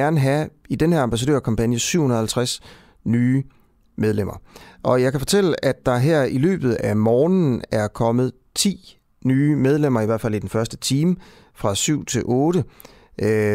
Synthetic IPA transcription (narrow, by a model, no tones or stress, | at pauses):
æɐnəɦæid̥enhæɐɑmb̥æs̬ædø̰ɐ̰kʰɑ̈mpænjəsyʊ̰hunɐð̩ˠhælt͡sʰʁas | nyː | meðˠlem̰ɐʔɒ̽jɑ̈ɪkʰæfɒ̽t͡sʰel̰əæd̥ɑ̈ɦɛɐ̰ilø̰ːb̥ð̞̩ˠæmɒːnn̩æɐkʰɒ̽mð̞̩ˠ | t͡sʰḭː | nyːmeð̞ˠlem̰ɐiʋæɐ̰̥fæl̰id̥enfɶɐsd̥ət͡sʰiːm | fʁɑ̈syʊ̰t͡sʰe̝lʔɔ̽ːɾ̥ə